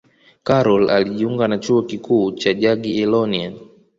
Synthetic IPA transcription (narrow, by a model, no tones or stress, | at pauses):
kaɾɔla̰liʄiuŋɡanat͡ʃuɔkikuːt͡ʃaʄaɠiɛlɔnian